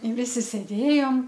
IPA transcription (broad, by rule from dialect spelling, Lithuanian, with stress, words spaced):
ɪ ˈʋʲɪsʲɪ sʲeːˈdʲeːjoːm